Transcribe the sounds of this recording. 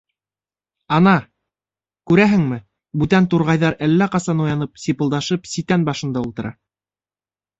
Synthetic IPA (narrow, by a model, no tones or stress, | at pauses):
ɑnɑ | kʉɾæɦɘŋmɘ | bʉt̪ænt̪uɾʁɑjðɑɾælːæqɑsɑnujɑnɤp̚sipɤ̆lˠd̪ɑʃɤpsit̪ænbɑʃɤ̆nd̪ɑulˠt̪ɤ̆ɾʔɑ̰